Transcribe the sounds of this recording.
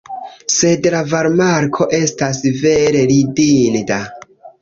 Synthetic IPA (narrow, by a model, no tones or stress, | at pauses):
se̞dlavaɾmaɾkʰo̞ʔe̞stasve̞ɾe̞ɾidinda